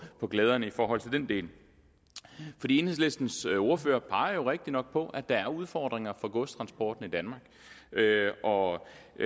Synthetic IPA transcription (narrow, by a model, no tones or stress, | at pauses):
pʰɒ̽ɡ̥lɛːð̞ˠɐnəifɒːɦɒ̽l̰t͡sʰe̝ld̥end̥e̝̰ːl | fɒdḭːe̝nhesle̝sd̥n̩so̝ɐfø̰ːɐpʰɑ̈ɪɐjo̝ʁeɡ̥̚d̥inɒ̽ɡ̥̚pʰɒ̽ʔæd̥ɑ̈æɐuð̞ˠfɒ̰ːd̥ʁeŋɐfɒ̽ɡ̥ɔ̽st͡sʰʁɑ̈nsb̥ɒ̰ːd̥n̩id̥ænmɑ̈ːɡ̥ | ʔɒ̽